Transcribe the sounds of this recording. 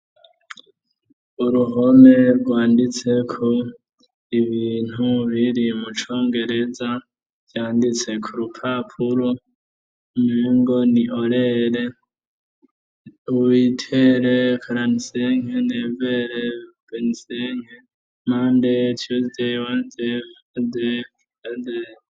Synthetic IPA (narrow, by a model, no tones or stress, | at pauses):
uɾuɦo̞me̞ɾɡwaːndit͡se̞kʰo | iβiːn̥huβiɾimut͡ʃo̞ːŋɡe̞ɾe̞za | v̥jaːndit͡se̞kʰuɾupʰapʰuɾo | umeːŋɡoniʔoɾeɾe | uwitʰeɾekʰaɾaniseŋeneːveɾe | b̥eniseŋ̥e | maːndetʰjuzewaze | ze | adeɾ